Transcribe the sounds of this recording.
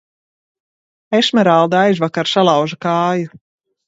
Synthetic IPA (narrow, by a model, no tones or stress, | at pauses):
eʃmɛɾalˠd̪ajzvakaɾsalˠawʒakaːju